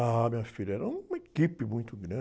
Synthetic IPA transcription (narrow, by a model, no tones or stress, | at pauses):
amĩɲɐfiʎɐɛɾɐũmɐekipɪmũj̃t̪ʊɡɾɐ̃